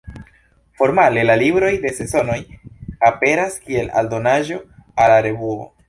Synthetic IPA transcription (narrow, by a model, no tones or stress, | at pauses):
fo̞ɾmale̞lalibɾo̞jde̞se̞so̞no̞jape̞ɾaskie̞la̰ldo̞naʒo̞alaɾe̞vuo̞̰